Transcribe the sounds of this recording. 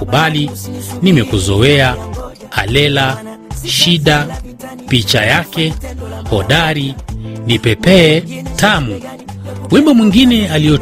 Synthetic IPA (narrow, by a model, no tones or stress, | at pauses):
uɓalinimɛkuzɔɛa | a̰lɛlaʃiɗa | pit͡ʃajakɛhɔɗaɾinipɛpɛtamu | mwimamwiŋɡinɛaliɔ